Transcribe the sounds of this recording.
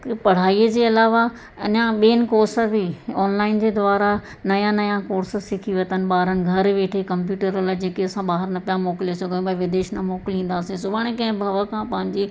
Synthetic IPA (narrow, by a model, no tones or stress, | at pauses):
pɐɽ̤aːiəd͡ʑeːɐlaːʋa | ɐɲãɓeːnɪ̆koːɾsəbɪɔːnlaːɪnd͡ʑeːd̪ʊaːɾa | nɐjãnɐjãkoːɾsəsɪkʰiʋɐt̪ənɪ̆ɓaːɾənɪ̆ɡʱɐɾʋeːʈʰekɐmpjuːʈəɾɐlad͡ʑeːkeɐsãɓaːɦəɾnɐpijamoːkɪlesɐɡʱəjũbɐʋɪd̪eːʃnɐmoːkɪlĩːn̆d̪aːsĩsʊbʱaːɽ̃ẽkɐ̃ɦɪ̃bʱɐʋəkʰãːpɐ̃ɦɪ̃ɲd͡ʑe